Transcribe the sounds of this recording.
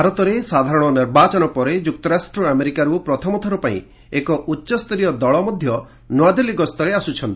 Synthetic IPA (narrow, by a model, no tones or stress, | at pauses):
bʱaɾɔt̪ɔɾesad̪ʱaɾɔɽ̃ɔniɾbat͡ʃɔnɔpɔɾed͡ʒuk̚t̪ɔɾasʈɾɔameɾikaɾupɾɔt̪ʰɔmɔt̪ʰɔɾɔpaḭ̃ | ekɔʔutːʃɔst̪ɔɾijɔd̪ɔɭɔmɔd̪ʱjɔ | nwad̪eliɡɔst̪ɔɾeasut͡ʃʰɔnt̪i